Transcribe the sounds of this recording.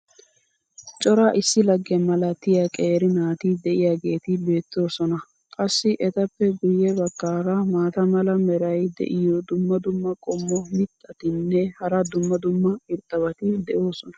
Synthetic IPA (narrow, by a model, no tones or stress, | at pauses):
t͡ʃʼɔɾaːʔɪsːɪlɐɡːɛmɐlɐt̪ːɪjakʼeːɾɪnaːt̪ɪd̪ɛʔɪjaːɡe̞ːt̪ɪbe̞ːt̪ːo̞ːsɔnɐ | kʼɐsːɪʔɛt̪ɐpːɛɡʊjːɛbɐkːaːɾɐmaːt̪ɐmɐlɐmɛɾɐjd̪ɛ̰ʔɪjɔd̪ʊmːɐd̪ʊmːɐkʼɔmːɔmɪt̪ʼːɐt̪ɪnːɛhɐɾɐd̪ʊmːɐd̪ʊmːɐɪɾt̪ʼːɐβɐt̪ɪd̪ɛʔo̞ːsɔnɐ̥